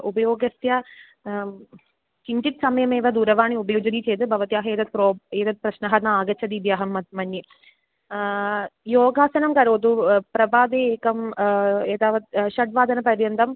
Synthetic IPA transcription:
ubɐjoːɡɐst̪jɐ | t͡ʃiɲt͡ʃit̪sɐmɐjɐmeːʋɐd̪uːɾɐʋaːɳiubɐjoːd͡ʒɐniːt͡ʃejt̪ɨbʱɐʋɐt̪jaːɦɐeːd̪ɐt̪̚pɾoːeːd̪ɐt̪̚pɾɐʃnɐɦɐnɐaːɡɐt͡ʃʰɐd̪iːd̪jaːɦɐmːɐd̪̚mɐnji | joːɡaːsɐnɐmkɐɾoːt̪upɾɐbaːd̪eːkɐmeːd̪aːʋɐt̪̚ʃɐʈ̚ʋaːd̪ʱɐnɐpɐɾjɐnt̪ɐm

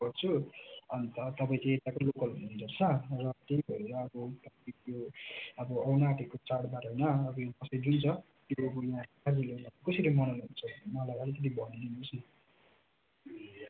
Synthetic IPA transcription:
ʌrt͡sʰuʌnt̪ʌt̪ʌpaĩt͡sʌĩet̪akolokʌlɦunːund̪ʌrt͡sʰʌrʌt̪ebʱʌɾeɾʌːbʌt̪ʌpaĩt̪joʌbʌʌwnaːʈekot͡saɽbaɾɦʌjnʌːbʌjãkʌsʌĩd͡zunt͡sʰʌ | t̪joʌbʌjãɦakad͡zilonʌakʌsilʌjmʌnʌlɦunt͡sʰʌmʌlabʱaɾet̪et̪̬ibʱʌnininot͡sʰʌn

